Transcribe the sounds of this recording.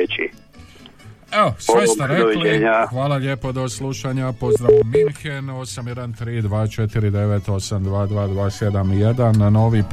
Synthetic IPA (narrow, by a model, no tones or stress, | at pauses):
t͡ʃḭ | eosʋesaɾeleɲaxʋaːlˠaʎe̞ːpo̞d̪o̞sluʃaɲapo̞zd̪ɾaʋominxeno̞samje̞d̪ant̪ɾiːd̪ʋaːt͡ʃet̪iɾid̪e̞ʋet̪o̞samd̪ʋaːd̪ʋaːd̪ʋaːse̞d̪amije̞d̪anːo̞ːʋip